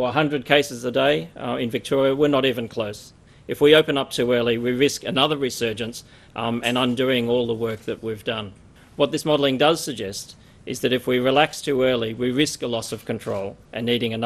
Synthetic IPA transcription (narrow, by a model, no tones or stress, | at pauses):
əɦʌ̃ndɹɨd̚kʰeɪsɨzədeɪɪ̃nvɨk̚tʰɔɹiɨwə˞nəɾivɨ̃nkʰl̥oʊs | ʔɨfwioʊpɨ̃nʌp̚tʰʉɜ˞lˠiwiɹɪskɨnʌðə˞ɹisɜ˞d͡ʒɨ̃nts | ɨ̃nə̃ndʉɪ̃ŋɔlˠðəwɜ˞k̚ðɨʔ̚wivdʌ̃n | wʌt̪̚ðɪsmɑɾl̩ˠɪ̃ŋdʌz̥sɨɡ̚d͡ʒɛst | ʔɨzðɨɾɨfwiɹilækstʰʉɜ˞lˠiwiɹɪskəlɔsʌv̥kʰɨ̃n̩tʰɹ̥oʊlˠʔɨ̃nːiɾɪ̃ŋɨn